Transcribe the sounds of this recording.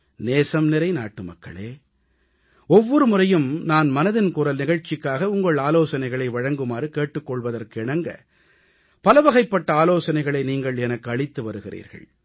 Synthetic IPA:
neːsɐmnɪɾɐɪna̰ːʈːɯmɐ̰kːɐ̰ɭeː | ɔʋːɔɾɯmʊrɐjɯmnaːnmɐnɐðɪnkuːɾɐlnɪɣɐɻt͡ʃːɪkːaːɣɐʊŋɡɐɭaːloːsɐnɐɪɣɐɭɐɪʋɐɻɐŋɡɯmaːɾɯkeːʈːɯkːɔɭʋɐðɐrkɯɪɳɐŋɡɐ̰ | pɐlɐʋɐɣɐɪpːɐʈːɐaːloːsɐnɐɪɣɐɭɐɪniːŋɡɐɭɛnɐkːɯɐɭɪt̪ːɯʋɐɾɯɣɪrḭːɾɣɐ̰ɭ

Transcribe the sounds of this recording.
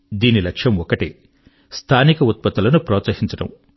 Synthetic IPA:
d̪iːnilɐkʂjɐmɔkɐʈi | st̪ʰaːnikɐut̪̚pɐt̪ːulɐnupɾɔːt̪sɐɦiɲt͡ʃɐɽɐ̰m

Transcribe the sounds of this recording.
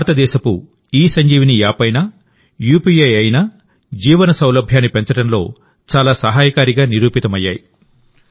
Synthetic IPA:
bʱːɾɐt̪ɐd̪ɛːʃɐku | iːsɐɲd͡ʒiːʋinijaːpɐjna | juːpiɐjɐjna | d͡ʒiːʋɐnɐsɐwlɐbʱjaːnːipeɲt͡ʃɐɽɐnlo̞̰ː | t͡ʃaːlaːsɐɦaːjɐkaːɾiɡaːniɾuːpit̪ɐmɐjːaːji

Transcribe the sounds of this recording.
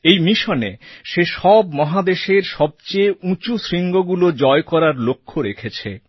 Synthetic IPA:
ejmiʃonḛʃeʃɔbmɔɦad̪eʃeɾʃɔb̚t͡ɕejũt͡ɕusɾiŋɡoɡulod͡ʑɔekɔɾaɾlokʰːoɾekʰet͡ɕʰḛ

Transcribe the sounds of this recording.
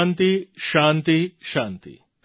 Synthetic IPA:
nt̪iʃaːnt̪iʃaːnt̪ḭ

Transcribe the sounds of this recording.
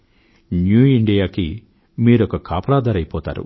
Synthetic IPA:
njuːiɳɖijaːki | miːɾɔkɐkʰaːpɐlaːd̪ʱaːɾɐjpɔːt̪a̰ːɾṵ

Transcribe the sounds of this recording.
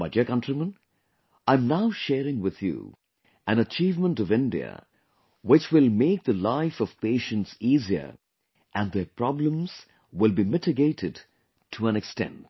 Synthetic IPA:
maɪdiəkʌ̃ntɹimə̃n | ãɪ̃mnaʊʃɛɾɪ̃ŋwɪð̥jṵ | æ̃nət͡ʃiːvmə̃ntʌvɪ̃ndiə̰ | wɪt͡ʃwɪlˠmeɪk̚ðəlaɪfʌv̥peɪʃə̃ntsiziə̰˞ | ʔæ̃nðəpʰɹ̥ɑblə̃mz̥ | wɪlˠbimɪtɨɡeɪɾɨd | tʰuæ̃nɨkstɛ̰̃nt̚

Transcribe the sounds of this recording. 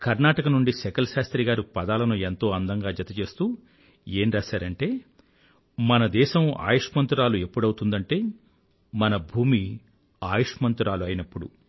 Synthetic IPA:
kɐɾnaːʈɐkɐnuɳɖiʃɛkɐlɐʃaːst̪ɾiɡaːɾupɐd̪aːlɐnuent̪o̞ːɐnd̪ɐŋɡaːd͡ʒɐt̪ɐt͡ʃe̞ːst̪uː | e̞ːnɾaːʃaːɾɐɳʈe̞ː | mɐnɐd̪ɛːʃɐma̰ːjuʂɐmɐnt̪uɾaːlue̞pːuɽɐwt̪und̪ɐɳʈe̞ː | mɐnɐbʱuːmi | aːjuʂmɐnt̪uɾaːluɐjnɐpːuɽṵ

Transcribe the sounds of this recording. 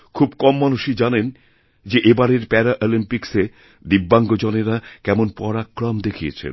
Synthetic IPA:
kʰubkɔmːanuʃid͡ʑanen | d͡ʑeʔebaɾeɾpɛɾaʔolimpikse | d̪ibːaŋɡod͡ʑɔneɾakɛmonpɔɾakːɾɔmd̪ekʰijḛt͡ɕʰḛn

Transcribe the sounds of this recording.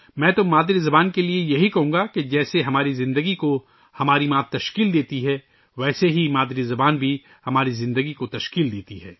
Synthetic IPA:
mɛ̃ːt̪ʊmːaːd̪ɾizɐbaːnkeliejɐɦikɐɦũːɡaked͡ʒɛːseɦɐmaːɾizɪ̃nd̪əɡiko | hɐmaːɾimãːt̪ɐʃkiːld̪eːt̪iɦɛː | ʋɛːseɦimaːd̪ɾizɐbaːnbʱi | hɐmaːɾizɪ̃nd̪əɡikot̪ɐʃkiːld̪eːt̪iɦɛ̰ː

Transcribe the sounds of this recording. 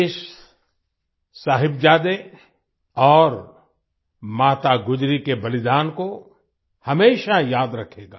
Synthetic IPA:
ʃ | saːɦɪbd͡ʒaːd̪e | ɔːɾ | maːt̪aɡʊd͡ʒɾikebɐlɪd̪aːnko | hɐmeːʃajaːd̪ɾɐkʰeːɡa̰ː

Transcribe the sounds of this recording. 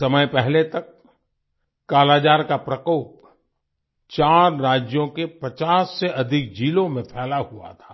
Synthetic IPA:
sɐməjpɛɦlet̪ɐk | aːlaːd͡ʒaːɾkapɾɐkoːp̚ | t͡ʃaːɾɾaːd͡ʒjõkepɐt͡ʃaːsːeʔɐd̪ʱɪk̚d͡ʒiːlõmẽpʰɛːlaɦua̰t̪ʰḁː

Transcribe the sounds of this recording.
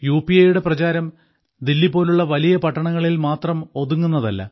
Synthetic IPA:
juːpiɐjuɽe̞prɐt͡ɕaːɾɐm | d̪ilːipːo̞ːluɭːɐʋɐlijɐpɐʈːɐɳɐŋːɐɭilmaːt̪rɐmo̞ðuŋːunːɐðɐ̰lːɐ̰

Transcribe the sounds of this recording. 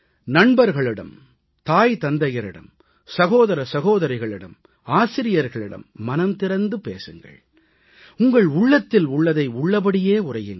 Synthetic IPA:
nɐɳbɐɾɣɐɭɪɽɐ̰m | t̪aːjt̪ɐnd̪ɐjɐɾɪɽɐ̰m | sɐɣoːðɐɾɐsɐɣoːðɐɾɐɪɣɐɭɪɽɐ̰m | aːsɪɾɪjɐɾɣɐɭɪɽɐ̰mːɐnɐmt̪ɪɾɐnd̪ɯpḛːsɯŋɡɐ̰ɭ | ʊŋɡɐɭʊɭːɐt̪ːɪlʊɭːɐðɐɪʊɭːɐpɐɽɪjeːʊrɐjɯŋɡɐ

